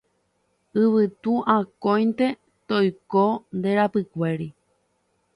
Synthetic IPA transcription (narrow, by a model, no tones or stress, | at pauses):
ɨβɨt̪uʔãkõjnt̪e̞ | t̪ojkond̪eɾapɨkʷe̞ɾi